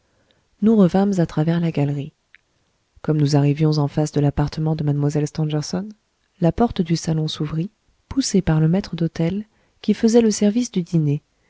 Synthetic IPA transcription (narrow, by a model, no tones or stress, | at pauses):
nuʁəvãmzat̪χavɛʁlaɡalʁi | kɔmnuzaʁivjɔ̃zɑ̃fasd̪əlapaʁt̪əmɑ̃d̪əmad̪mwazɛlst̪ɑ̃dɛʁsɔn | lapɔʁt̪əd̪ysalɔ̃suvʁi | pusepaʁləmɛt̪χəd̪ot̪ɛl | kʲifəzɛləsɛʁvisd̪yd̪ine